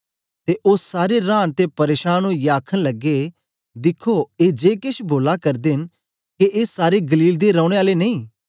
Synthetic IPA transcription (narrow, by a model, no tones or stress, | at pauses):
t̪eːʔʊssaːɾeɾãːnt̪epɐɾeːʃaːnõjaːkʰəñlɐɡːe | d̪ɪkʰoeːd͡ʒeːkɪʃboːlakɐɾd̪ɪn | keʔeːsaːɾeɡəliːld̪eɾəʊɽ̃eaːlenɐĩː